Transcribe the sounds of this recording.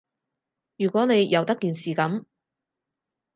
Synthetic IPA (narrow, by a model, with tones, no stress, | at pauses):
jyː˨˩kʷɔː˨˥ne˨˧jjɐ˨˧wt̪ɐ˥kːiː˨nsiː˨kɐ˨˥m